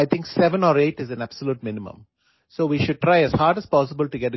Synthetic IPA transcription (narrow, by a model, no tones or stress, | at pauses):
aɪt̪ʰɪ̃ŋksɛʋə̃nɔːɾeːʈɪzæ̃næb̥səluːʈ̚mɪ̃nɪmə̰̃m | soːʋiːʃʊɖ̚ʈɾaɪæz̥haːɾɖəzpɔːs̬ɪbəlʈuɡɛʈ